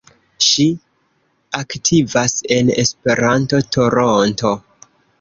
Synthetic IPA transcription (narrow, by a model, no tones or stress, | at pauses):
ʃi | aktʰivase̞nḛspe̞ɾanto̞tʰo̞ɾonto̞